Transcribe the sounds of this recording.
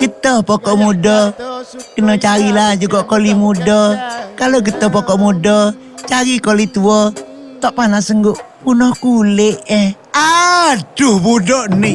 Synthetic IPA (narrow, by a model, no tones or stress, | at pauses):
ɡ̥ət̪ɔhpɔkɔʔmudɔ | kənɔt͡ʃaɾilahd͡ʒuɡaʔkolimudɔkaloɡət̪ɔhpɔkɔʔmudɔ | t͡ʃaɾikolit̪uɔ | t̪ɔʔpanasəŋɡʊʔpunɔhkulɪʔɛh | adʊhbudɔʔniʔ